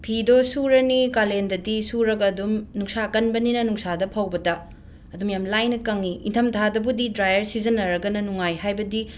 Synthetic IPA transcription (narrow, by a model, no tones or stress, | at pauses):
pʰidosuɾɐnikalendɐdisuɾɐɡɐdumnuŋsakɐnbɐninɐnuŋsadɐpʰawbɐtɐ | ɐdumjamlajnɐkɐŋiʔḭntʰɐmtʰadɐbudidɾajɐɾsizɐnːɐɾɐɡɐnɐnuŋajhajbɐdi